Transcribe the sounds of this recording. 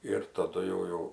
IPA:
ɪr tɐˈdʊ jɛʊ ˈjɛʊ

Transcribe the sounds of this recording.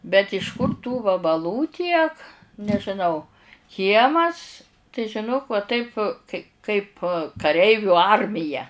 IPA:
bʲɛt ɪʃ ˈkʊr tuː ʋɐbɐˈlˠuː ˈtʲiɛk nʲɛʒʲɪˈnɐʊ ˈkʲiɛmɐs tɐɪ ʒʲɪˈnoːk ʋɐ ˈtɐɪp kɐɪ kɐɪp kɐˈrʲɛɪʋʲuː ˈɐrʲmʲɪjɛ

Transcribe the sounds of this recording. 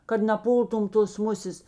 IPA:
kɐt nɐˈpuːlˠtʊm toːs ˈmʊsʲeːs

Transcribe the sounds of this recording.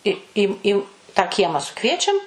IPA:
ɪ ˈiː ˈiː tɑː ˈkʲiɛmɑː sʊˈkʋʲiɛt͡ʃʲɛm

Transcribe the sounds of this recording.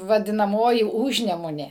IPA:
ʋɐdʲɪnɐˈmoːjɪ ˈʊʒʲnʲɛmʊnʲeː

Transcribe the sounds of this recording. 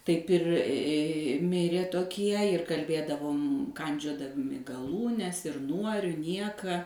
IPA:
ˈtɐɪp ɪr ˈmʲɪrʲeː toːˈkʲiɛ ɪr kɐlʲˈbʲeːdɐʋoːm ˈkɐnʲd͡ʒʲoːdɐmʲɪ ɡɐˈlˠuːnʲɛs ɪr ˈnuɔ ɪr ˈnʲiɛkɐ

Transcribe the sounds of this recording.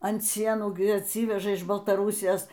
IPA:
ɐnt ˈsʲiɛnuː ɡʲɪ ɐtʲˈsʲiːʋʲɛʒɐ ɪʃ bɐlˠtɐˈruːsʲɪjoːs

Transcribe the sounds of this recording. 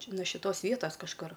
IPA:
ˈt͡ʃʲɛ noː ʃʲɪˈtoːs ˈʋʲiɛtɐs kɐʃˈkʊr

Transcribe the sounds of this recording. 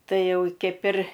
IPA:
ˈtɐɪ ˈjɛʊ ˈkʲɛɪp ɪr

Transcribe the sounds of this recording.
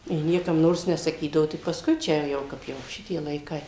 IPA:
jɪ ˈnʲiɛkɐm ˈnoːrs nʲɛsɐˈkʲiːdɐʋoː tʲɪk pɐsˈkʊɪ ˈt͡ʃʲɛ ˈjɛʊ ˈkɐp jɛʊ ˈʃʲɪtʲiɛ lˠɐɪˈkɐɪ

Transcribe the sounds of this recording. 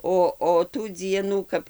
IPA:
ˈoː oː tuː ˈd͡zʲiɛnuː ˈkɐp

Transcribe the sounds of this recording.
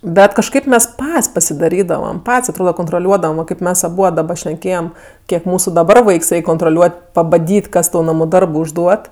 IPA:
ˈbʲɛt kɐʃˈkɐɪp ˈmʲɛs ˈpɐtʲsʲ pɐsʲɪdɐˈrʲiːdɐʋɐm ˈpɐtʲsʲ ɐtˈroːdɐ koːntroːˈlʲuɔdɐʋɐm ʋɐ ˈkɐɪp ˈmʲɛs ɐˈbuɔt dɐˈbɐ ʃʲnʲɛˈkʲeːjɛm ˈkʲiɛk ˈmuːsʊ dɐˈbɐr ˈʋɐɪks ˈrʲɛɪkʲ koːntroːˈlʲuɔtʲ pɐbɐˈdʲiːtʲ ˈkɐs tɐʊ ˈnɑːmʊ ˈdɐrbʊ ʊʒˈduɔt

